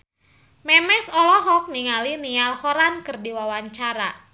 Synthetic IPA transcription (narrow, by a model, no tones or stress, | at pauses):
mɛmɛsɔlɔɦɔk̚niŋalinialhɔɾankɨrdiwawaɲt͡ʃaɾa